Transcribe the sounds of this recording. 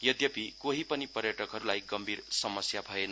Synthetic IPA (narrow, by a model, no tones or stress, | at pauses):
jʌd̪jʌpikoɦipʌnipʌɾjʌʈʌkɦʌɾulajɡʌmbʱiɾsʌmʌsjabʱʌen